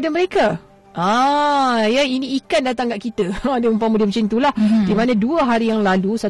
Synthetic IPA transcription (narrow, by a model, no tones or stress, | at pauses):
daməɾeka | ã | jainĩikandat̪aŋɡaʔ̚kit̪əadəəmpamudiamt͡ʃint̪ulahdimanãduəɦaɾijaŋlalusa